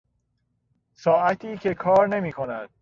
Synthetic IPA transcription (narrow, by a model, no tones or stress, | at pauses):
sɒːʔæt̪ʰiːcʰe̞kʰɒːɾne̞miːkʰo̞næd̪̥̚